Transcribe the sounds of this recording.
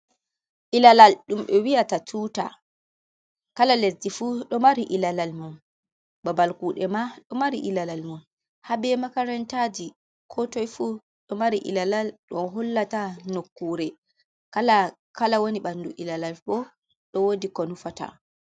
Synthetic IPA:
ʔilalalɗumɓɛwijatatʰuːta̰ | kalalesdifuɗɔmaɾiʔilalalmum | babalkuːɗɛmaɗɔmaɾḭʔilalalmum | habɛmakaɾɛntad͡ʒi | kʰɔtɔjfu | ɗɔmaɾiʔḭlalalɗɔnɦɔlːatanokːuːɾɛ | kala | kalawoniɓanːduʔilalalɓɔ | ɗɔwodikɔnufata̰

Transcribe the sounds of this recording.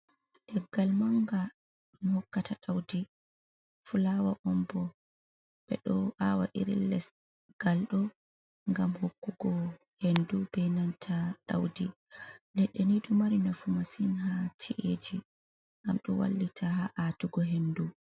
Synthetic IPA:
ɗɛɡalmaŋɡa | mhɔkːataɗawdi | fulawaʔɔmbɔ | ɓɛ̰ɗɔʔawa̰ʔiɾḭlːɛs | ɡ̥alɗɔ | ŋɡamhokːuɡɔ | hendubɛnantʰaɗa̰wdi | lɛɗːɛnidumaɾinafumasinɦat͡ʃiʔed͡ʒi | ŋɡamɗɔwa̰lːitʰahaʔatuɡɔɦendu

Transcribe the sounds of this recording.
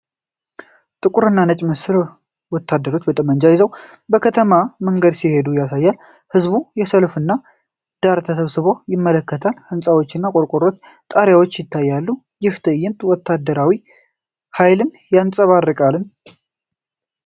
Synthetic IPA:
t̪ʼɨkʼʊɾɨnːanət͡ʃʼməsɨɾ | wɔt̪ʰːad̪ːəɾo̞t͡ʃːbət̪ʼəmənd͡ʒajɪzəwbəkʰət̪ʰəmaməŋɡəd̪sihe̞d̪ujasajːal | hɨzbujɛsəlfɨnːa | d̪̥aɾt̪ʰəsəβsɨβo̞jɪmːələkːət̪ʰalhɨnsʼawo̞t͡ʃːɨnːakʼoɾkʼoɾo̞t͡ʃː | t̪ʼəɾjawot͡ʃːjɪt̪ʰːajːalːu | jɪht̪ʰəjːɪnt̪wɔt̪ʰːad̪ːəɾawi | hajlɨnjansʼəβarːɨkʼalɨn

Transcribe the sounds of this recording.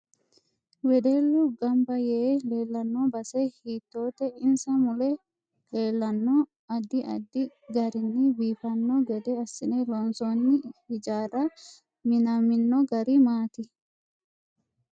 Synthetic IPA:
wɛd̪eːlːʊɡɐmbɐjele̞ːlːɐnːobɐsɛhiːt̪ːo̞ːt̪ɛɪnsɐmʊlɛ | le̞ːlːɐnːɔ | ɐd̪ːɪʔɐ̰d̪ːɪɡɐɾɪnːɪbiːfɐnːɔɡɛd̪ɛɐsːɪnɛlɔnsonːɪhɪd͡ʒaːrɐ | mɪnɐmɪnːɔɡɐɾɪmaːt̪ɪ

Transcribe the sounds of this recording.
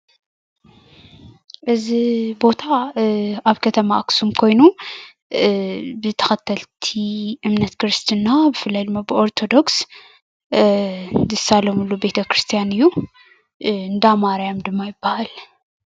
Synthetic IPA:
ʔɨzibo̞t̪ʰa | aβkʰɐt̪ʰɐmaʔksumkʰo̞jnu | bɨt̪ʰɐ̥xɐt̪ʰɐlt̪ʰiʔɨmnɐt̪kʰɾɨst̪ʰɨnːabɨfɨlːajd̪ɨmːabɨʔo̞ɾt̪ʰo̞d̪o̞ks | zɨsalomɨlːube̞t̪ʰɐkɾɨst̪ʰijanɨjːu | ɨnd̪amaɾjamd̪ɨmːajɪbːahal

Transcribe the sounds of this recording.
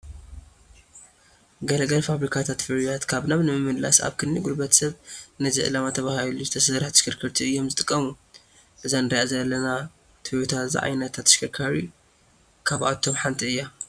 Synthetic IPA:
ɡɐlɐɡɐlfaβɾikʰat̪ʰat̪fɨɾijat̪kʰaβnaβnɨmɨmːɨdla̰sa̰βkʰɨnːiɡulbɐt̪sɐβnɨzḭʕɨ̰lamat̪ʰɐβahiluzɨt̪ʰɐsɐɾaħt̪ʃkʰɨɾkʰɨɾt̪ʰiɨjːo̞mzɨt̪ʼɨ̥kʼːɐmu | ʔɨzanɨɾiʔazɐlːɐna | t̪ʰɨjot̪ʰaza̰ʕa̰jnɐt̪ʰat̪ːʃkɨkʰaɾi | kʰaβʔa̰t̪ʰo̞mħant̪ʼiɨjːa

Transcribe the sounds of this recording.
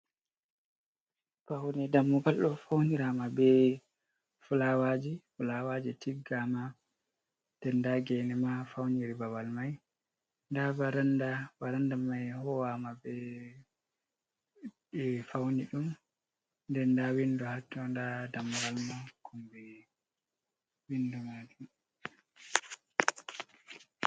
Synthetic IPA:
b̥ahunɛdamːuɡalɗɔfawniɾamabɛ | fulawad͡ʒifulawad͡ʒitiɡama | d̥ɛndaɡɛnɛmafawniɾibawalmaj | ndabaɾandabaɾandamajhɔwamabɛ | ɛfawniɗum | ndɛndawinduhatːɔndadamɾalmakʰɔmbɛ | windumad͡ʒum

